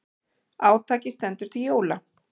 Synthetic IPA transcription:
aːwt̪ʰaːcɪst̪ɛnt̪ʏɾ̥t̪ʰɪljoːwla

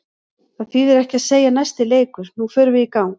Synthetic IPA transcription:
θaðθiðɛɾɛhcɪaðseːjanajst̪ɪleːjkʏɾ̥nufœːɾʏvɪikaːwn

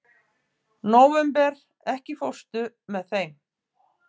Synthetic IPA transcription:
noːwvɛmpɛɾ | ɛhcɪfowst̪ʏ | mɛðθejm

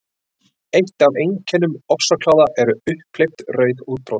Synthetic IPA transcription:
ejht̪avejɲcʰɛnːʏmɔfsakʰlaːwðaʔɛɾʏʏhpʰlejpt̪rœːɥðuːt̪̚pɾow

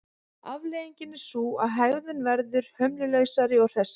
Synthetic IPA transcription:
avlejiɲcɪnːɪ̥suːaðɦaːɣðʏnvɛɾðʏɾ̥hœmlɪlœːɥsaɾɪɔwr̥ɛs

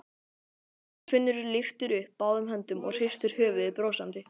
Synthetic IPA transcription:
kfɪnːʏɾʏɾlɪft̪ɪɾʏhpːaːwðʏmɦɛnt̪ʏmɔ̰ɣr̥ɪjst̪ɪɾ̥hœːvʏðɪpɾoːwsant̪ɪ

